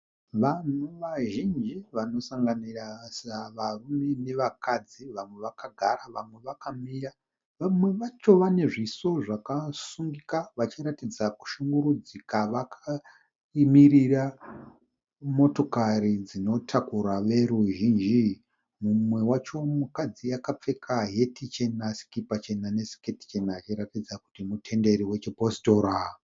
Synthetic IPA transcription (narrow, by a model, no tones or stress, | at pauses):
ʋanuʋaʒind͡ʒiʋano̞saŋɡanirasaʋarume̞ne̞ʋakad͡ziʋamwe̞ʋakaɡʱaraʋamwe̞ʋakamija | ʋamwe̞ʋat͡ʃo̞ʋane̞ʐiso̞ʐakasuŋɡikaʋat͡ʃiɾatid͡zaku̥ʃuŋɡuɾud͡zikaʋakʰa | imirira | mo̞to̞kaɾid͡zino̞tʰakuɾaʋe̞ɾuʒiːnd͡ʒi | mumwe̞wat͡ʃo̞mukad͡zijakap͡fe̞kʰaɦe̞tʰit͡ʃe̞nasi̥kipat͡ʃe̞nane̞si̥keti̥t͡ʃe̞naːt͡ʃiɾatid͡zaku̥timutʰe̞nde̞ɾiwe̞t͡ʃeposto̞ɾa